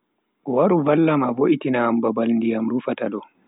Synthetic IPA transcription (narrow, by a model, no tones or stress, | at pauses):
waɾuvalːamavoʔitinaːmbabalndijamɾufataɗɔ